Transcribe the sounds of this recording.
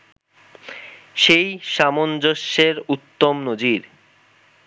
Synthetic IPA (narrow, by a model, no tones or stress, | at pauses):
ʃejʃamond͡ʑoʃːeɾut̪ːomnod͡ʑiɾ